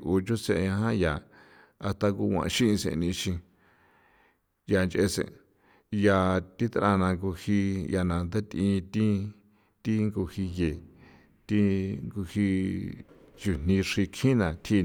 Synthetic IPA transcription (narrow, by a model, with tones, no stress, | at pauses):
ʔu˨t͡ʃo˦sḛ̃˧˨˧ã˧ɦã˦ja˨ | a˧st̪a˧ku˧wʷã̰˧˨˧ʃĩ˦ĩ˧sḛ̃˨˧nĩ˧ʃĩ˧ | ja˨nt͡ʃʔe˧sḛ̃˨ | ja˨t̪i˦t̪ʔã˧nã˧ŋɡu˧hi˧ja˧˨nã˨nd̪e˦t̪ĩ˧t̪ĩ˦ | t̪i˦ŋɡu˧hi˧je˨ | t̪i˦ŋɡu˧hi˧ | t͡ʃu˨n̥ĩ˧ʂi˧kʰĩ˦nã˨t̪ʰi˧